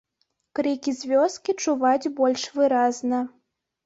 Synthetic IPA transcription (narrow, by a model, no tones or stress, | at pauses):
kɾikʲizʲvʲɔskʲit͡ʂuvat͡sʲbɔlʲʂvɨɾaznɐ